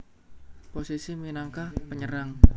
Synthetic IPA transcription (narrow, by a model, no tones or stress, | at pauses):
posisiminaŋkahpəɲəɾaŋ